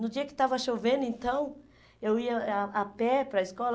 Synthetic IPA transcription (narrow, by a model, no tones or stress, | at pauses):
nʊd͡ʒiɐkɪ̥t̪avɐʃovẽnd̪ʊẽnt̪ɐ̃w̃ | ewiɐːpɛpɾɐiskɔl